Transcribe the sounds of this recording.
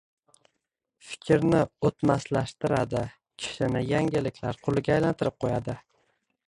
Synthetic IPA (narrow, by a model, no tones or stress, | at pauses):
fɪ̥kʲʰɪɾnɪot̪maslaʃt̪ɪɾa̰d̪ɪ | kʲʰɪ̥ʃɪnɪjaŋɡʲɪlɪkʲʰlaɾqʰʊlˠɪɡʲaːjlant̪ʰɪɾɪp̚qʰojad̪ɪ